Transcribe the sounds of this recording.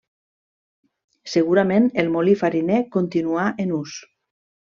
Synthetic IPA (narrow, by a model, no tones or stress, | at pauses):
seɣuɾamenelmolifaɾinekont̪inuaʔenus